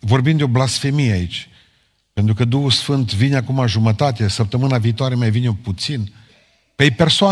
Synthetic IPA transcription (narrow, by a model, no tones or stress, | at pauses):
vo̞rbimd̪eoblasfe̞mijeait͡ʃʲ | pe̞nt̪ɾukəd̪uhusfɨnt̪vineakumaʒumət̪at̪esəp̚t̪əmɨnaviːt̪oaɾe̞majvineoput̪sin | pepe̞rsoa